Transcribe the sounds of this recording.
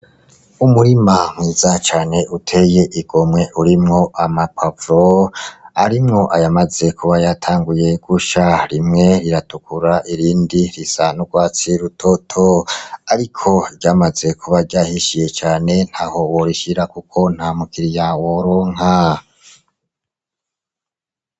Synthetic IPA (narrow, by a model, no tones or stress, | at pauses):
umuɾimamŋiːz̥at͡ʃaːne̞utʰe̞je̞ʔiɡ̥o̞mŋe̞ʔuɾimŋo̞ʔamapʰavɾo | aɾimŋo̞ʔajamaze̞kʰuβajatʰaːŋɡuje̞ɡ̥uʃaɾimŋe̞ɾiɾatukʰuɾaʔiɾiːndiɾisanuɡwaːt͡siɾutʰotʰoaɾikʰo̞ɟaːmaze̞kʰuβaɾɟaːhiʃije̞t͡ʃaːne̞n̥haːho̞woɾiʃiɾakukʰo̞n̥haːmukiɾijawoɾoːŋ̥a